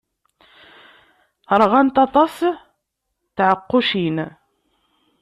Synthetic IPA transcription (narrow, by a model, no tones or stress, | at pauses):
ɾˤʁænt̪ɑt̪ˤɑs | θʕəqːʊʃin